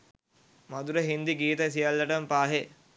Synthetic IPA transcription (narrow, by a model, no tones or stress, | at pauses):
mad̪uɾəɦind̪iɡiːt̪əs̬ijalːəʈəmpaːɦe